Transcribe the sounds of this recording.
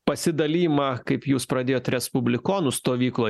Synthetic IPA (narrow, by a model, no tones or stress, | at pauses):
pɐsʲɪd̪ɐlʲiːjmɑːkɐɪpjuːspɾɐd̪ʲeːjoːt̪ʲɾʲɛspʊbʲlʲɪkoːnʊst̪oːʋʲiːklˠoː